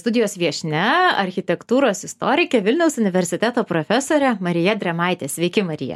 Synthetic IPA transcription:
st̪ʊd̪ʲɪjoːsʋʲiɛʃʲnʲɛɐɾʲxʲɪt̪ʲɛkt̪uːɾoːsɪst̪oːɾʲɪkʲɛʋʲɪlʲnʲɛʊsʊnʲɪʋʲɛɾʲsʲɪt̪ʲæt̪oːpɾofʲɛsoːɾʲɛmɐɾʲɪjɛd̪ʲɾʲɛmɑɪt̪ʲeːsʲʋʲɛɪkʲɪmɐɾʲɪ̰jɛ̰

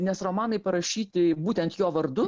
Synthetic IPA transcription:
nʲɛsɾɔmɑːnɐɪpɐɾɐʃʲiːt̪ʲɪbuːt̪ʲɛnt̪joːʋɐɾd̪ʊ

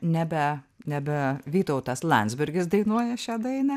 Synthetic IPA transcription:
nʲæbʲɛnʲæbʲɛʋʲiːt̪ɐʊt̪ɐslˠɐ̰nd̪zʲbʲɪɾʲɡʲɪsd̪ɐɪnuɔjɛʃʲæːd̪ɐɪnɐ

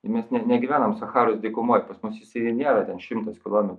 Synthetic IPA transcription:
ɪmʲɛsnʲɛnʲɛɡʲɪʋʲæːnɐmsɐxɑːɾʊsdʲɪkʊmoːjpɐsmʊsɪsʲɪɪnʲiɛɾɐt̪ʲɛnʃʲɪmt̪ɐskʲɪlˠoːmʲɛt̪

